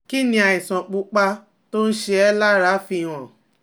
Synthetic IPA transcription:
ki˦nĩ˧a˧˨i˨sã˨k͡pu˧k͡pa˧ | to˦n̩˦ʃe˧ɛ˧la˦ɾa˨˦fi˧˦˨w̃ɔ̃˨

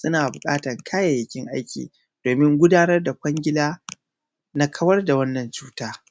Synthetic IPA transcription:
sʊ˦naː˨bʊ˨kʼa̰ː˦tɐ˨ŋkʰaː˦ja˨jɪ˨kʲɪ˦ŋʔa˦jkʲḭː˨ | d̥oː˨mɪ˦ŋɡʷʊ˦daː˦nɐ˦rda˨kʷɐ˦ŋɡʲɪ˦laː˦ | na˦kʰɐ˦wɐ˦rda˨wɐ˦nːɐ˨nt͡ʃuː˦taː˦

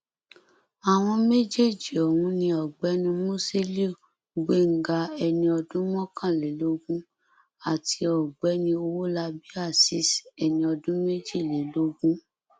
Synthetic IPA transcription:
a˨w̃ɔ̃˧me˦d͡ʒe˦˨d͡ʒi˨ɔ˨wũ˧˦nĩ˧ɔ˨ɡ͡bɛ˨˦nũ˧mõ˦si˦le˦˨ | ɡ͡be˦˨ŋ̩˨ɡa˧ɛ˧nĩ˧ɔ˧dũ˦mɔ̃˦kã˦˨le˨˦lo˦ɡũ˦ | a˨ti˨˦ɔ˨ɡ͡bɛ˨˦nĩ˧o˧wo˦la˧bi˦a˦˨si˨˦sɛ˧nĩ˧ɔ˧dũ˦me˦d͡ʒi˦˨le˨˦lo˦ɡũ˦

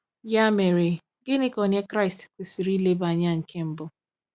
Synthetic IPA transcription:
ja˦me˨ɾe˨ | ɡɪ˦nɪ˦kɔ˨ɲe˦kɾa˦ɪ˨stkʷe˨si˨ɾi˦le˦ba˨ɲa˦ŋ̩˨kʰe˦m̩˦bʊ˦

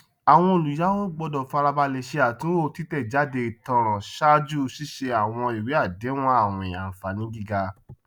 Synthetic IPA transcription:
a˨w̃ɔ̃˧o˨lu˨ja˨˦o˦ɡ͡bɔ˧dɔ˨fa˧ɾa˧ba˧le˨ʃe˧a˨tũ˦o˦˨˧ti˦tɛ˦˨d͡ʒa˨˦de˧i˨tɔ̃˧˦ɾ̃ã˨ʃa˦d͡ʒu˦˧si˦ʃe˧a˨w̃ɔ̃˧i˨we˨˦a˦˨de˨˦w̃ɔ̃˦a˦˨wɔ̃˨ẽ˨a˨fa˨nĩ˨˦ɡi˦˨ɡa˧

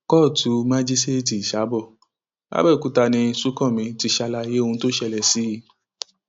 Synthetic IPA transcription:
kɔ˦˨tʰu˨˦mã˦d͡ʒi˦ste˦˨ti˨ʃa˨˦bɔ˦˨ | a̰˦bɛ˦˨ku˨˦ta˧nĩ˧su˦kɔ̃˦˨mĩ˨˧ti˧ʃa˧la˧je˦o˦˧ũ˧˦to˦ʃɛ˧˨lɛ˨si˨˦˧

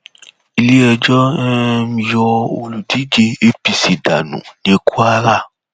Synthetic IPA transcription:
i˧le˦ɛ˧d͡ʒɔ˦ɛ˦mĩ˧jɔ˧o˧lu˨di˨˦d͡ʒe˧e˦pi˧si˨da̰˨nṵ̃˨nĩ˨˧˦kʰu˦a˧la˦˨

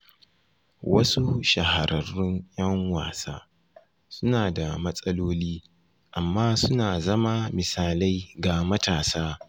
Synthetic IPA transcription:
wɐ˦su˦ʃɐ˨ha˨ɾʔɐ˨rʊ˦njɐ˦ŋwaː˨sa̰ː˦ | sʊ˦naː˨da˨mɐ˦sʼɐ˦loː˦liː˦ | ʔa˨mːaː˦sʊ˦naː˨zɐ˦ma˦mɪ˨saː˨la˦jɡa˨mɐ˦taː˨saː˦

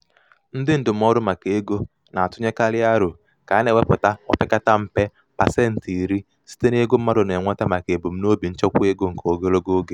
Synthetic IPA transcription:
n̩˦dɪ˦n̩˦dʊ˨m̩˦ɔ˦ɾʊ˦ma˨ke˦ɡo˦ | na˨a˨tʊ˦ɲe˦ka˦lɪ˦a˦ɾʊ˨ | ka˨˦ne˨we˦pʊ˨ta˦ɔ̰˦pɪ˦ka˦ta˦m̩˦pe˦ | pa˨se˦n̩˨ti˨ɾi˦ | si̥˦te˦ne˦ɡo˦m̩˦ma˦ɾʊ˨ne˨ŋʷa˦ta˦ma˨ke˨bo˨m̩˦no˦bi˨n̩˦t͡ʃɔ˦kʷu˦e˦ɡo˦ŋ̩˨ko˨o˦ɡe˦lo˦ɡo˦ɡe˨

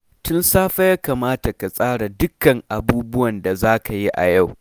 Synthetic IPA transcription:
tʊ˦nsaː˦ɸa˦jaː˦kaː˨maː˦ta˨ka˨sʼaː˦ɽa˨dʊ˦kɐ˨ŋʔa˨buː˦bʊ˦wɐ˨nda˨zaː˦ka˨ji˦ʔa̰˨ja˦˨w

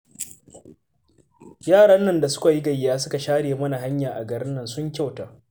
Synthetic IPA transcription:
jaː˦˨ɽɐ˦nːɐ˨nda˨sʊ̥˦ka˨ji˦ɡɐ˨jɪ˨jaː˦sʊ˦ka˨ʃaː˦ɽeː˨mɐ˦na˨ɦa˦ɲjaː˨ʔa̰˨ɡɐ˨ɽɪ˦nːɐ˨nsʊ˦ŋkʲa˦wtaː˨

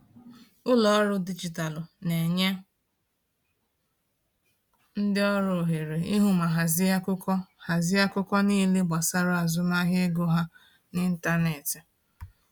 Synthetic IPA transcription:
ʊ˦lɔ˨˦ɾʊ˦di˦d͡ʒi˨ta˨lʊ˨ne˨ɲe˦ | n̩˦dɪ˦ɔ˦ɾo˨ɦe˨ɾe˨i˦ɦu˦ma˨ɦa˨zɪ˦a˦kʊ˦kɔ˦ha˨zɪ˦a˦kʊ˦kɔ˦niː˦le˦ɡ͡ba˨sa˦ɾʊ˦a˨zʊ˦ma˦ɦe˦ɡo˦ɦa˦ | nɪ˦n̩˦ta˦ne˨ti˨

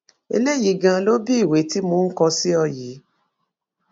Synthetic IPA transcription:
ḛ˧le˦˨ji˨˦ɡã˧lo˦bi˦i˦˨we˨˦ti˦mõ˧˦n̩˦kɔ˧si˦ɔ˧ji˨˦

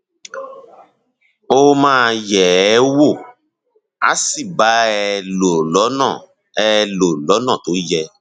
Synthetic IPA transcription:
o˦mãː˦jɛ˨˦wo˦˨ | a̰˨˦si˦˨ba˨˦ɛ˧lo˨lɔ˨˦nɔ̃˦˨ | ɛ˦lo˨lɔ˨˦nɔ̃˦˨to˨˦jɛ˧

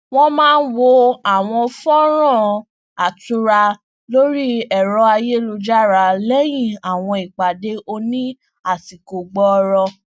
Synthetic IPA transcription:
w̃ɔ̃˦mãː˦˧n̩˦wo˧a˨w̃ɔ̃˧fɔ̃˦ɾ̃ã˦˨ | a˨tu˧˦ɾa˧ | lo˦ɾi˦ɛ˦˨ɾɔ˧˦a˧je˦lo˧d͡ʒa˦ɾa˧lɛ˦j̃ĩ˦˨a˨w̃ɔ̃˧i˨k͡pa˨de˦o˧nĩ˦ | a˦˨si˨ko˨ɡ͡bɔ˦˧ɾɔ˧

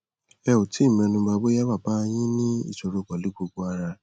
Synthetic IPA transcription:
ɛ˧o˨ti˨˦˨mɛ̃˧nũ˧ba˧bo˦ja˦wa˦˨ba˦j̃ĩ˦nĩ˦ḭ˦˨ʃo˨ɾo˧ɡ͡bɔ˨li˨˦ɡ͡bo˧ɡ͡bo˧a˧ɾa˧

